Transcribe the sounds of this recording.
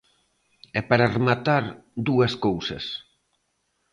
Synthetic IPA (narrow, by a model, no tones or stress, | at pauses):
ɛpaɾaremat̪aɾd̪uɐskowsɐ̰s